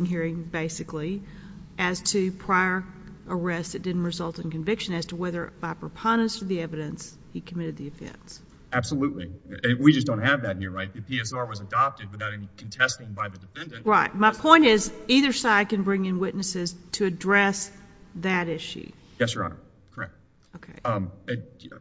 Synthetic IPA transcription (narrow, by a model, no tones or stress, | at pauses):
nɦiɹɪ̃ŋbeɪsɨkli | ʔɨz̥tʰɨpʰɹ̥aɪə˞ | ə˞ɛst̪ɨt̚d̥ɪdⁿn̩ʔɹɨzʌlˠtɨ̃nkɨ̃ɱvɪkʃɨ̃nɨz̥tʰəwɛðə˞b̥aɪpʰɹ̥əpʰɑ̃ndɨ̃nsə˞ðiɛvɨɾɨ̃ns | hikʰəmɪɾɨd̪̚ðiɨfɛ̰̃ns | æb̥səlutˡlḭɨwid͡ʒʌsd̥õʊ̃n̚tɦɨvðɨt̚hiɹɹaɪt̪̚ðɨpʰiɛsɑɹwʌzɨdɑp̚tɨd̚wəθaʊɾɛnikʰn̩tʰɛstɪ̃ŋbaɪðɨdɨfɛ̃ndɨ̃nɹaɪt̚maɪpʰɔ̃ɪ̃ñtɪziðə˞saɪd̚kɨ̃nbɹɪ̃ŋɨ̃nwɪʔⁿnɨsɪz̥tʰɨɨdɹɛs | ðɨɾɪʃʉ̰ | jɛsə˞ɑ̰̃nə̰˞ | kʰə˞ɛ̰k̚t̚ | oʊkʰeɪɨ